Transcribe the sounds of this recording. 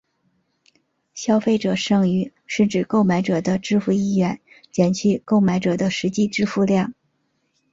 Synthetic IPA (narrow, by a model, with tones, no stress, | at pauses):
ɕjɑ˥ʊfe˥˩ɪʈ͡ʂɤ˨˩ʂɤ˥˩ŋy˧˥ | ʂɻ̩˥˩ʈ͡ʂɻ̩˨˩ko˥˩ʊma˧˥ɪʈ͡ʂɤ˨˩d̪ə˦ʈ͡ʂɻ̩˥˧fu˥˧i˥˩ɥɛ˧˥n | t͡ɕjɛ˨˩nt͡ɕʰy˥˧ko˥˩ʊma˧˥ɪʈ͡ʂɤ˨˩d̪ə˦ʂɻ̩˧˥t͡ɕi˥˧ʈ͡ʂɻ̩˥˧fu˥˧ljɑ˥˩ŋ